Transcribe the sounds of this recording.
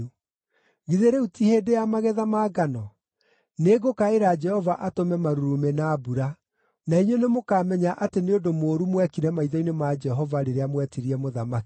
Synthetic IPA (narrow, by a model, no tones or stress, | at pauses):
ɣiðeɾeutiheːdejamaɣɛðamaːɡanɔ | neɡokaeɾaːd͡ʒɛhɔvaʔatomɛmaɾuɾumenaːbuɾa | naiɲonemokaːmɛɲaʔateneondomoːɾumwɛkiɾɛmaiðɔinemad͡ʒɛɦɔvaɾeɾeamwɛtiɾiɛmoðamaki